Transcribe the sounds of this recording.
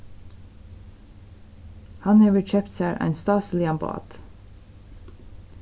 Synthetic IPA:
hɑnɛʋəɹt͡ʃœpt̪sæːɹʔæ̰ɪnst̪ɑːslɪɑmbɑ̰ːd̪̥

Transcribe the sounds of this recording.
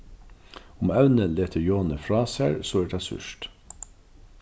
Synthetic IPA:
ʊmɑʉnəleːt̪ʰəjoːnəfɹɑːsæɹsoːɛːʈɑsʉ̰ʃt

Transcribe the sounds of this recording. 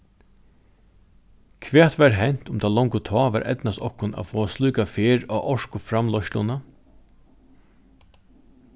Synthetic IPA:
kʰʋɛːt̪ʋɛɾɦɛn̥t̪ʊmt̪ʰaːlɔŋkʊt̪ʰɔːʋaɾʔɛ̰t̪nast̪ɔhkʊna̰fɔːasluːkafɪːɾaʔɔʂkʊfɾamlɔʃt̪lʊna

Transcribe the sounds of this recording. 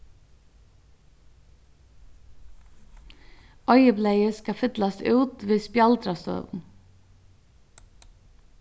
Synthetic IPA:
ɔʏjəpleːjəskafʏt̪last̪ʉːt̪ʋiːðspjalt̪ɾast̪œ̰ːʋʊ̰n

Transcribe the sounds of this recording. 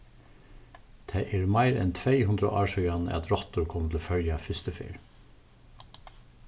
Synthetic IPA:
t̪ʰeɪʔeːɹmɑɪɾɛ̰nt̪ʰʋeɪhʉnd̪ɾə̰ʔɑːʃœɡɑnɛ̰ːɑt̪ɾɔt̪ʊɾkʰɔmət̪ʰl̩oːfœljɑfʏst̪əfḭːɹ

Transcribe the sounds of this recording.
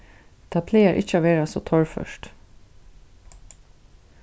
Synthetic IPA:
t̪ʰaːpʰleːaɹʔɪ̰çəaʋeːɹasoːt̪ʰɔɹfœ̰ʃt̪

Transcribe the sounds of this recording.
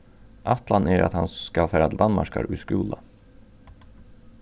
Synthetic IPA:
ʔat̪land̪æɾa̰t̪hankafæɾad̪anma̰ʂka̰ɾʉːskʉːla

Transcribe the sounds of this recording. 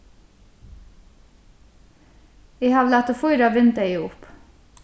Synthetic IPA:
eɪhɑːʋlæːt̪əfʊʏɾɑːʋɪnd̪eɪʊp

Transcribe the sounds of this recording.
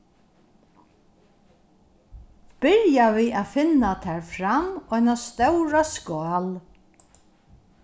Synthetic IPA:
b̥ɪɾjaviːaðfɪnːat̪ʰɛːɹfɾamɔjnast̪œwɾaskaːl

